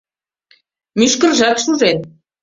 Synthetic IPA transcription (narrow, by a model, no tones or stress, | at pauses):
myʃkɘ̆rʒɑkʃuʒen